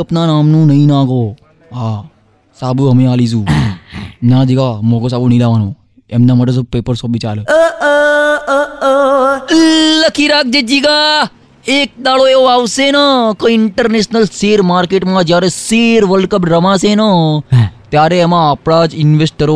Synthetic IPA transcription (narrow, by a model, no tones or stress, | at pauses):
əpnanamnũːnəĩnãɡo | ɦa | saːbuɦəmẽalisũː | nãd͡ʒiɡamoɡos̬abunilaʋano | ḛmnamaʈes̬opepəɾsɔːpʋit͡ʃa̰lə | ləkʰiɾak̚d͡ʒed͡ʒiɡa | ek̚d̪aɭoeoaʋsenakə̃ɪɳʈəɾneʃnəlseːɾmaːɾkeʈmãd͡ʒjaɾeseɾʋəlkəpɾəʋãsenə | t̪jaɾeːmãːpɽad͡ʒɪnʋesʈ̚kəɾo